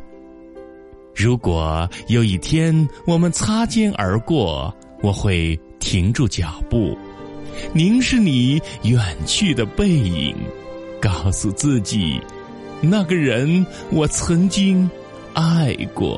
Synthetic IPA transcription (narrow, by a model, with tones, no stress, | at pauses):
ɻu˧˥kwɔ˨˩jo˧˥ʊi˥˩t̪ʰjɛ˥nwɔ˨˩mə˦nt͡sʰa˥t͡ɕjɛ˥nʔə̰˞˧˥kwɔ˥˩ | wɔ˨˩xwe˥˩ɪ | t̪ʰi˧˥ŋʈ͡ʂu˥˩t͡ɕjɑ˨˩pṵ˥˩ | ni˧˥nʂɻ̩˥˩ni˨˩˦jɛ˨˩nt͡ɕʰy˥˩d̪ə˩pe˥˩ɪḭ˨˩ŋ | kɑ˥˩ʊsu˧t͡sɹ̩˥˩t͡ɕḭ˨˩ | na˥˩ɡə˩ɻə˧˥n | wɔ˨˩t͡sʰɤ˧˥ŋt͡ɕi˥ŋ | a˥˧ɪkwɔ̰˥˩